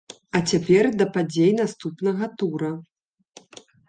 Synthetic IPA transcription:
ɐt͡sʲapʲɛrd̪ɐpad͡zʲejnast̪upnɐɣɐt̪uɾɐ

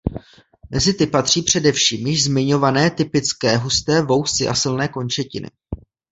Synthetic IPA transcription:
mɛzɪt̪ɪpat̪r̝̥iːpr̝̥ɛdɛfʃiːmjɪʒzmɪɲo̞vanɛːt̪ɪpɪt͡skɛːɦust̪ɛːvo̞wsɪʔa̰sɪlnɛːko̞nt͡ʃɛcɪ̰nɪ̰

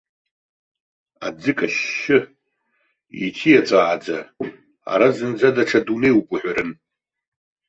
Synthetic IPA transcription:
ad͡zɨkʼaʃɪ | ḭtʰijat͡sʷʼaʕad͡za | a̰ɾazɨnd͡zadaʈ͡ʂʰadunejwkʷʼʊħʷᶣaɾɨn

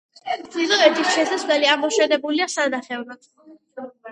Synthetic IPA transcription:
silɔɛɾt̪ʰisʃɛsaslɛliamɔʃɛnɛbuliasad̪naχɛvɾḁ

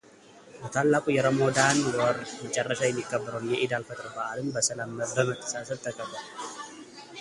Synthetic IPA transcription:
bət̪ʰalːakʼujɛɾəmo̞d̪anwɔɾmət͡ʃʼɐrːəʃajɛmːikʼːəbːɨɾəwnjɛʔɪd̪alfət̪ʼɨɾbəʔalɨmbəsɐləmːəɾəmət̪ʼʰːə̥sasəlt̪ʰəkʼəbːəl

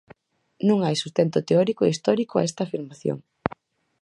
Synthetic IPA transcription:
nũŋajsu̥st̪ent̪ʊt̪eɔɾikoeist̪ɔɾikoa̰ɛst̪aːfiɾmaθjo̰ŋ

